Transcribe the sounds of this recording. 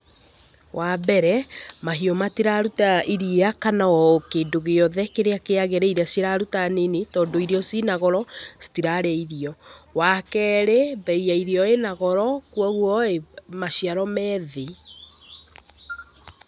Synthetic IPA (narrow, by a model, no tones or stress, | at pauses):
wʔabɛɾɛmaɦiɔmatiɾaɾutaʔiɾieakanawɔkeːndoɣeɔðɛkeɾeakeaɣɛɾɛiɾeasiɾaɾutanenetɔːndoiɾeɔsinaɣɔɾɔsi̥tiɾaɾeaiɾiɔwakɛɾebɛiaiɾeɔenaɣɔɾɔkwaɣwɔemaɕiaɾɔmɛðe